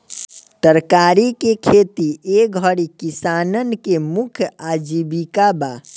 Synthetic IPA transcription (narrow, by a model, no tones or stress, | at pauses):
t̪əɾkaɾikekʰet̪ieɡʱəɽikisanənkemukʰjad͡ʒibikaba